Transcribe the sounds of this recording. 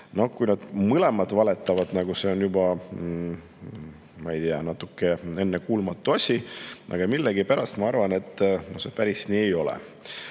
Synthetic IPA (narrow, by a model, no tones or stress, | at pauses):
no̞hkujnɑd̪̥mɨle̞mɑt̪vɑle̞t̪ːˑɑvɑd̪̥nɑɡuse̞o̞njubɑ | mɑejt̪iɑ̰nɑt̪ːˑukːe̞e̞nːekuːlmɑt̪ːˑuɑsʲiʔɑ̰ɡ̥ɑmilːeɡipæɾɑst̪mɑɑrvɑne̞t̪ˑːno̞hse̞pæɾisniːejo̞lḛ